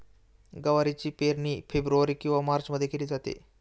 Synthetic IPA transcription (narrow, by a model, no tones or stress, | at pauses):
ɡəʋaɾit͡ɕiːpeɾniːfebɾuʋaɾiːkĩw̃ʋamaɾt͡ɕməd̪ʱːjekeliːd͡zat̪ḛ